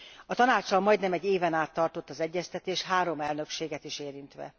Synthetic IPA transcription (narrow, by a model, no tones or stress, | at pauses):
ɒt̪ɒnaːt͡ʃɒlmɒjd̪nɛmɛɟːeːvɛnaːt̪ːɒrt̪ot̪ːɒzɛɟːɛst̪ɛt̪eːʃɦaːɾo̞mɛlnøkʃeːɡɛt̪iʃeːɾint̪ʋɛ̰